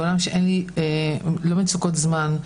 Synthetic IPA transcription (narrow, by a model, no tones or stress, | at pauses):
olamʃeʔenlielomint͡sukotzman